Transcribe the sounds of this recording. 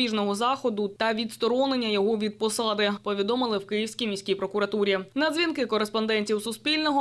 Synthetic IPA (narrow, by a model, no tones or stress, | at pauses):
iʒnɔɦɔzɑxɔd̪ʊt̪ɐʋʲid̪st̪ɔɾɔnɪnʲːɐjɔɦɔʋʲid̪̚pɔsɑd̪ɪpɔʋʲid̪ɔmɪlˠɪwkɪjiwsʲkʲijmʲijsʲkʲijpɾɔkʊɾɐt̪uɾʲinɐd̪zʲʋʲinkɪkɔɾespɔnd̪ɛnʲtʲiwsʊspʲilʲnɔɦɔ